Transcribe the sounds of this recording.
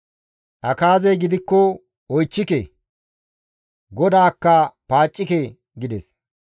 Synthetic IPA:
ʔɐkaːzɛjɡɪd̪ɪkːɔ | ɔjt͡ʃːɪkɛ | ɡɔd̪aːkːɐpaːt͡ʃʼːɪkɛ | ɡɪd̪ɛs

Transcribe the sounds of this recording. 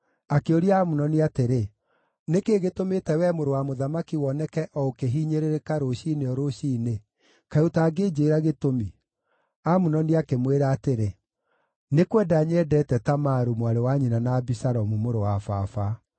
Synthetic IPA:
akeoɾiaamunɔniateɾe | nekeːɣetometɛwɛmoɾowamoðamakiwɔnɛkɛʔɔokeɦiɲeɾeɾekaɾoɕineɔɾoʃiːne | kaotaːɡeːd͡ʑeːɾaɣetomi | amunɔniakemweɾaːteɾe | nekwɛdaːɲɛːdɛːtɛtamaɾumwaɾewaɲinanabisaɾɔmumoɾowafafa

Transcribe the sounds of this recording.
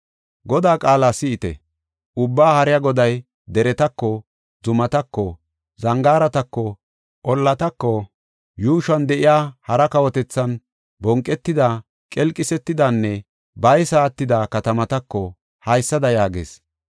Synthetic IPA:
ɡɔd̪aːkʼaːlaːsɪːt̪ɛ̰ | ʔʊbːaːhɐɾɪjaɡɔd̪ɐj | d̪ɛɾɛt̪ɐkːɔ | zʊmɐt̪ɐkːɔ | zɐŋɡaːɾɐt̪ɐkːɔ | ʔɔlːɐt̪ɐkːɔ | juːʃɐnd̪ɛʔɪjaːhɐɾɐkɐwɔt̪ɛt͡sːɐn | bɔŋkʼːɛt̪ːɪd̪aː | kʼɛlkʼːɪsɛt̪ːɪd̪aːnːɛ | bɐjsaːt̪ːɪd̪akɐt̪ɐmɐt̪ɐkːɔ | hɐjsːɐd̪ɐjaːɡḛːs

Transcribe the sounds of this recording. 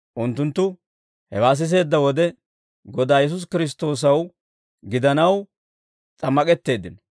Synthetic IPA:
ʔʊnt̪ːʊnt̪ːʊ | hɛwaːs̬ɪs̬e̞ːd̪ːɐwɔd̪ɛ | ɡɔd̪aːjɛs̬ʊs̬kɪɾɪs̬t̪o̞ːs̬ɐw | ɡɪd̪ɐnɐw | t͡sʼɐmːɐkʼɛt̪ːe̞ːd̪ːɪnɔ

